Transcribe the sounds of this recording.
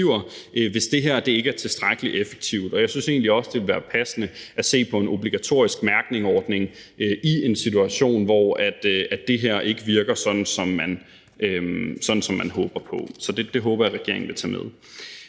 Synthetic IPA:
iʊ̰ɐʔøʋe̝sd̥e̝ɦeɐ̰d̥e̝e̝ɡ̥əæɐt͡sʰe̝sd̥ʁaɡ̥əliʔefe̥ɡ̥̚t͡sʰiʊd̥ɒ̽jäɪsynse̝̰ːnliɒ̽sd̥e̝ʋe̝lʋæːɐpʰæsənəʔæse̝̰ːpʰɒ̽e̝nʔo̝b̥liɡ̥æt͡sʰo̝̰ɐisɡ̥mæɐɡ̥ne̝ŋɒːd̥ne̝ŋʔøʔie̝nsit͡suæɕo̝̰ːnʋɒæd̥æd̥e̝ɦeɐ̰ʔe̝ɡ̥əʋiɐɡ̥ɐsɒ̽d̥n̩sɒ̽mːæn | øsɒ̽d̥n̩sɒ̽mːænɦɔːb̥ɐpʰɒ̽sɒ̽d̥e̝d̥e̝ɦɔ̽ːb̥ɐjɑʁɛɡ̥e̝ɐ̰eŋ̩ʋe̝t͡sʰɛ̰ːmeð̞ˠ

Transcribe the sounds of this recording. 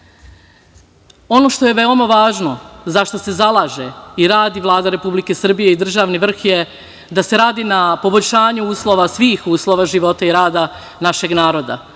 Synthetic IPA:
o̞no̞ːʃt̪o̞jeʋeo̞maʋaːʒno̞zaʃt̪o̞se̞zalˠaːʒeiɾaːd̪iʋlˠaːd̪aɾe̞publike̞sr̩bijeid̪r̩ʒaːʋniʋr̩xje | d̪ase̞ɾaːd̪inapo̞bo̞ʎʲʃaːɲuuːslˠo̞ʋasʋiːxuːslo̞ʋaʒiʋo̞t̪aiɾaːd̪a | naʃe̞ɡnaːɾo̞d̪a̰

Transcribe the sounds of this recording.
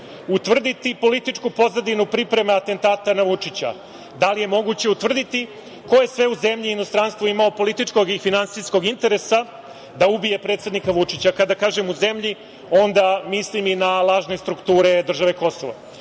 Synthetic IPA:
ut̪ʋr̩d̪it̪ipo̞lit̪it͡ʂkupo̞zad̪inupɾipɾe̞maat̪e̞nt̪aːt̪anaʋut͡ʂit͡ɕa̰ | d̪alije̞mo̞ɡut͡ɕe̞ut̪vr̩d̪it̪i | ko̞je̞sʋe̞uze̞mʎiːno̞st̪ɾanst̪vuimaopo̞lit̪it͡ʂko̞ɡifinansisko̞ɡint̪e̞ɾesa | d̪aubije̞pɾe̞t̪se̞d̪nikaʋut͡ʂit͡ɕakad̪akaːʒe̞muze̞mʎi | o̞nd̪amisliminalˠaːʒne̞st̪ɾukt̪uːɾe̞d̪r̩ʒaʋe̞ko̞soʋa̰

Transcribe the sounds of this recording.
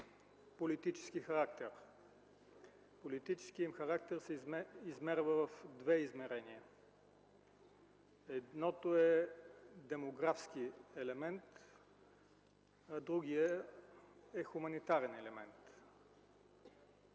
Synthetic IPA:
polit̪it͡ʃɛ̥sk̟ixɐɾak̚t̪ɛɾ | polit̪it͡ʃɛ̥sk̟iimxɐɾak̚t̪ɛɾsɛizmɛɾvəvɐfd̪vɛizmɛɾɛniə | ɛd̪nɔt̪oɛ | d̪ɛmoɡɾafskiɛlɛmɛnt̪ | ɐd̪ɾuɡijə | ɛxumɐnit̪aɾɛnɛlɛmɛnt̪

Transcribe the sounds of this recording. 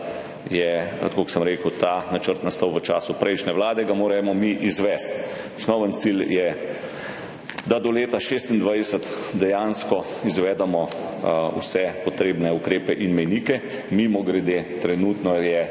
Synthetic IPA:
jɛt̪koksəmɾeːkəwt̪aːnat͡ʃəɾt̪nast̪ɔwʋət͡ʃa̰ːsupɾʔɛjʃnɛʋlaːd̪ɛɡamoːɾɛmɔmiʔizʋɛst̪ | ɔsnɔʋənt̪siljɛ | d̪ad̪ɔleːt̪aʃeːst̪ind̪ʋajd̪ɛsət̪d̪ɛjanskɔ | izʋɛːd̪ɛmɔ | ṵsɛpɔt̪ɾeːbnɛukɾeːpɛʔinmɛjniːkɛ | mimɔɡɾɛd̪et̪ɾɛnuːt̪nɔjɛ

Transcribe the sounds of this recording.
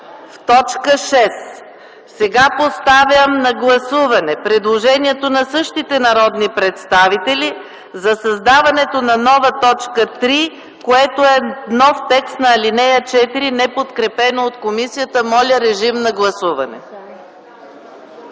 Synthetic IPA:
ft̪ɔt͡ʃkəʃɛs | sɛɡapost̪avʲjəmnɐɡlˠɐsuvɐnɛpɾɛd̪lˠoʒɛniɛt̪onɐsɤʃt̪it̪ɛnɐɾɔd̪nipɾɛt̪st̪avit̪ɛlʲi | zɐsɐzd̪avɐnɛt̪onɐnɔvɐt̪ɔt͡ʃkət̪ɾi | koɛt̪oɛnɔft̪ɛkst̪nɐːlinɛjət͡ʃɛt̪iɾinɛpot̪kɾɛpɛnoot̪komisijət̪əmɔlʲəɾɛʒimnɐɡlˠɐsuvɐnɛ̰

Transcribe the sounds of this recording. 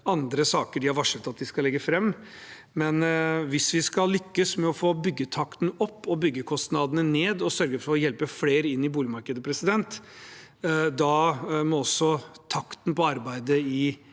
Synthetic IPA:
ɑnd̪ɾəsɑːkəɖɪhɑɾʋɑʂət̪ɑt̪̚d̪ɪskɑlɛɡːəfɾɛmː | mɛnʋɪsʋɪskɑllːʏkːəsmɛɔfoːbʏɡːət̪ʰɑkt̪nɔpːɔbʏɡːəkʰɔst̪nɑd̪ənəneːd̪ɔsœɾɡəfɔɾɔjɛlpəfleːɾɪnːɪbuːlɪmɑɾkəd̪əpʰɾɛsɪd̪ɛnt̪ | d̪ɑmɔɔsːɔt̪ʰɑkt̪npɔɑɾbæɪd̪əɪ

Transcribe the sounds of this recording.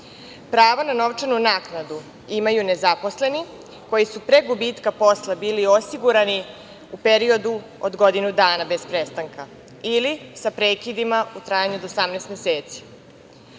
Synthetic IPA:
pɾaːʋanano̞ʋt͡ʂanunaːknad̪u | imajune̞zapo̞sle̞ni | ko̞jisupɾe̞ɡubiːt̪kapo̞slˠabiːlio̞siɡuɾani | upe̞ɾio̞d̪u | od̪ɡo̞d̪inud̪aːnabe̞spɾe̞st̪aŋka | ilisapɾeːkid̪imaut̪ɾaːjaɲud̪osamneːst̪meseːt̪si̥

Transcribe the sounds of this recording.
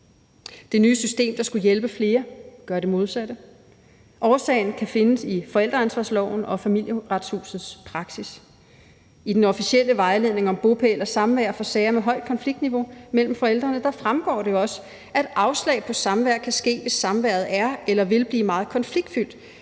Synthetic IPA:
d̥e̝nyːəsysd̥e̝̰ːmd̥ɑ̈sɡ̥ujelb̥əfle̝ːɐɡ̥ɶɐɾ̥e̝mo̝ð̞ˠsæd̥ə | ʔɒːsɛ̰ːɪn̩kʰæfe̝nəsifɒ̽el̰d̥ʁɐænsʋɑ̈slɒʊn̩ɒ̽fæmil̰jəʁad̥shṵːsð̩ˠspʰʁɑ̈ɡ̥sis | id̥enɒ̽fisiel̰əʋɑ̈ɪle̝ð̞̰ˠne̝ŋɒ̽mb̥o̝pʰeelɐsɑ̈mʋæɐ̰fɒ̽sɛːɐmeɦɒ̽ɪ̰d̥̚kʰɒnfliɡ̥d̥niʋo̝mel̰m̩fɒ̽el̰d̥ʁɐnəd̥ɑ̈fʁamɡ̥ɒ̰ːɾ̥e̝ɒ̽sə̥ | æd̥ɑ̈ʊslɛ̰ɪpʰɒ̽sɑ̈mʋæɐ̰kʰæsɡ̥e̝̰ːʋe̝sːɑ̈mʋæɐ̰ð̞̩ˠæɐelɐʋe̝lb̥liːmɑ̈ːð̞̩ˠkʰɒ̽nfliɡ̥d̥fyl̰d̥

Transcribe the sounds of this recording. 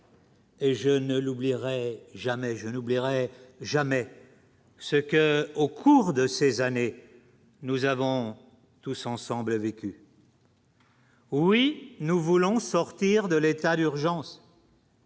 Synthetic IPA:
eʒənəlubliʁɛʒamɛʒənubliʁɛʒamɛ | səkəokʰuʁd̪əsezane | nuzavɔ̃ | t̪usɑ̃sɑ̃bləvekʲy | winuvulɔ̃sɔʁt̪iʁd̪əlet̪ad̪yʁʒɑ̃s

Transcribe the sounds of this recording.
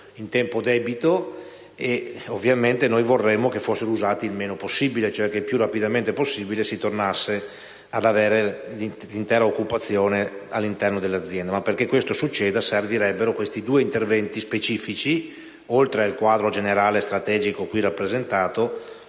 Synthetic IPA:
int̪ɛmpod̪ɛːbit̪o | eovːjament̪enojvorːɛmːokefosːeɾouzaːt̪iːlmeːnoposːibilet͡ʃoɛk̟epjurapid̪ament̪eposːibilesit̪ornasːe | ad̪aveːɾeli | lint̪ɛːɾaokːupat̪sːjoːnealːint̪ɛrnod̪elːad̪zːjɛnd̪amapːerk̟ekːwest̪osut͡ʃːɛːd̪aserviɾɛbːeɾokwest̪id̪uːeint̪ervɛnt̪ispet͡ʃiːfit͡ʃi | olt̪ɾealkwaːd̪ɾod͡ʒeneɾaːlest̪ɾat̪ɛːd͡ʒikokwirapːɾezent̪aːt̪o

